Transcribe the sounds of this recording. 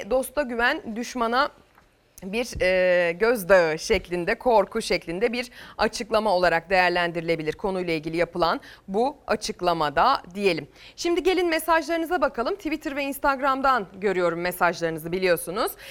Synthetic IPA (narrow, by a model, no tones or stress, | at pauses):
d̪o̞st̪ʰaɟyvænd̪yʃmana | biɾɛɟøzd̪aɯʃɛclʲind̪ɛkʰo̞ɾkʰuʃɛclʲind̪ɛbiɾat͡ʃʰɯklˠamao̞lˠaɾak̚d̪e̞jæɾlʲænd̪iɾilʲe̞bilʲiɾkʰo̞nujlˠailʲɟilʲijapʰɯlˠanbuat͡ʃʰɯklˠamad̪ad̪ije̞lʲim | ʃimd̪iɟe̞lʲinmesaʒlˠaɾɯnɯzabakʰalˠɯmt̪ʰivit̪ʰɯɾvɛinst̪ʰaɡɾamd̪anɟø̞ɾyjo̞ɾumːesaʒlˠaɾɯnɯzɯbilʲijo̞sunuz̥